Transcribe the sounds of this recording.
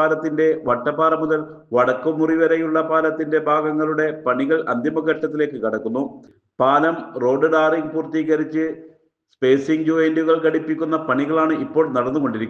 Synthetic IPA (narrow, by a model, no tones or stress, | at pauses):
aːlɐt̪ːinde̞ʋɐʈːɐpaːrɐmuðɐl | ʋɐɽɐkːumːuriʋɐɾɐjuɭːɐpaːlɐt̪ːinde̞bʱaːɡɐŋːɐɭuɽe̞pɐɳiɣɐɭʔɐ̰nd̪ʱjɐmɐɡɐʈːɐt̪ːile̞ːkːɨkɐɽɐkːunːu | paːlɐmro̞ːɖɨɖaːriŋɡpuːrt̪iːɣɐɾit͡ɕːɨ | spe̞ːsiŋɡd͡ʑuʋɐnduɣɐɭkɐɽipːikʲːunːɐpɐɳiɣɐɭaːɳɨipːo̞ːɭnɐɽɐnːuko̞ɳɖiɾikː